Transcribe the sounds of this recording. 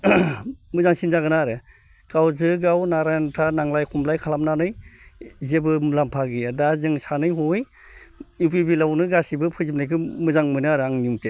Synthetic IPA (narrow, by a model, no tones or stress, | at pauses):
mɯzaŋsinzaɡɯnaɾɯ | kawzɯɡawnaɾajntʰanaŋlajkʰumlajkʰalamnanɯj | zebɯlampʰaɡijadazɯŋsanɯjɦoj | upibilawnɯɡasibɯpʰɯzipnajkʰɯmɯzaŋmɯnɯaɾɯaŋnuŋte